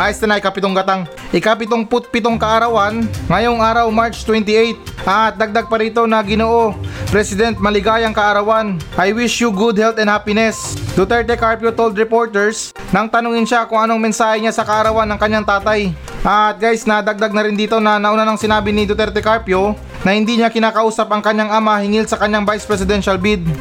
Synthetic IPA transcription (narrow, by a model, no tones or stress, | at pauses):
ʔajst̪ɐnɐʔɪkɐpɪt̪oŋɡɐt̪aŋ | ʔɪkapɪt̪oŋpʊt̪̚pɪt̪oŋkɐʔɐɾɐwanŋɐjo̞ŋʔaːɾɐwmaɹt͡ʃt̪wɛnt̪ɪʔejt̪̚ʔɐt̪̚d̪ɐɡ̚d̪aɡ̚pɐɾiːt̪o̞nɐɡɪnoʔo̞pɾɛsɪd̪ɛnt̪̚mɐlɪɡaːjɐŋkɐʔɐɾɐwanʔajwɪʃjʊɡʊd̪̚hɛlt̪ɐnhaːpɪnɛsd̪ot̪ɛɾt̪ɛkaɹpjot̪owld̪ɾɪpo̞ɹt̪ɛɹs | nɐŋt̪ɐnʊŋɪnʃakʊŋʔɐno̞ɐŋmɛnsaːhɛɲasɐkɐʔɐɾɐwanːɐŋkɐɲːaŋt̪aːt̪aj | ʔɐt̪̚ɡajsnɐd̪ɐɡ̚d̪aɡ̚nɐɾɪnd̪iːt̪o̞nɐnɐʔʊnanɐŋsɪnaːbɪnɪd̪ot̪ɛɾt̪ɛkaɹpjo̞ | nɐhɪnd̪iɲakɪnaːkɐʔuːsɐpɐŋkɐɲːaŋʔɐmahɪŋɪlsɐkɐɲːaŋbajspɾɛsɪd̪ɛnʃɐlbid̪̚